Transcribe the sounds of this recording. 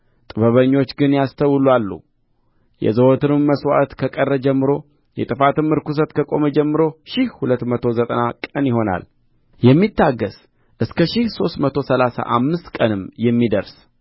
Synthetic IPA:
t̪ʼɨβəβəɲːo̞t͡ʃːɡɨnjast̪ʰəwlwalːṵ | jɛ̰zəwot̪ʰɨnɨmːəswa̰t̪kʰəkʼərːəd͡ʒɛmːɨɾo̞ | jɛt̪ʼɨfat̪ɨmːɨɾkus̬ət̪kʰəkʼo̞məd͡ʒɛmːɨɾo̞ʃɪhhulət̪ːmət̪ʰo̞zət̪ʼənakʼənjɪɦo̞na̰l | jɛmːit̪ʰːaɡːəs | ʔɨskʰəʃɪhso̞st̪mət̪ʰo̞səlasa̰ʔamːɨst̪kʼənɨmjɛmːid̪əɾs

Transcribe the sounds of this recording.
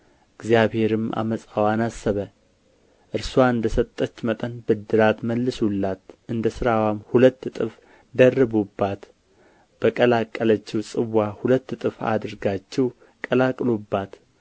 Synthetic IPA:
ɨɡzjaβhe̞ɾɨmʔa̰məsʼawanasːəβə | ʔɨɾswaɨnd̪əsət̪ʼːət͡ʃːmət̪ʼənbɨd̪ːɨɾat̪məlːɨsulːat̪ʔɨnd̪əsɨɾawamhulət̪ːt̪ʼɨf | d̪ərːɨbubːat̪ | b̥əkʼəlakʼːələt͡ʃːɛwsʼɨwːahulət̪ːt̪ʼɨfa̰d̪ɨɾɡat͡ʃːɛw | kʼəlakʼlubːat̪

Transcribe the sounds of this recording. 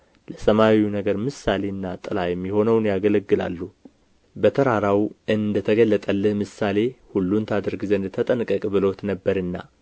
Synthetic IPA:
ləsəmawiunəɡəɾmɨsale̞ɨnːat̪ʼɨlajɛmːiho̞nəwnjaɡələɡːɨla̰lːu | bət̪ʰəɾaɾawʔɨnd̪ət̪ʰəɡəlːət̪ʼəlːəhmɨsale̞hulːunt̪ʰad̪əɾɡzənd̪ɨt̪ʰət̪ʼənkʼːəkʼbɨlo̞t̪nəbːəɾɨnːa̰

